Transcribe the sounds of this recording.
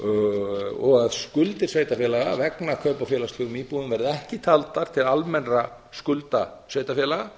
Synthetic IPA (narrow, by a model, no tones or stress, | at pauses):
ɔɣaðskʏlt̪ɪr̥sveːjt̪afjɛːlaɣa̰vɛknakʰœːpafjɛːlasʏɣʏmiːpuðʏmvɛɾðɪɛhcɪt̪ʰalt̪aɾ̥t̪ʰɪlalmɛnra | skʏlt̪a | svejt̪afjɛlaɣa